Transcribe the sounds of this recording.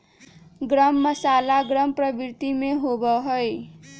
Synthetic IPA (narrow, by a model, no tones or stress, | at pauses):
ɡɾʌmːʌsalaɡɾʌmprʌbiɾt̪imeɦobʌɦoj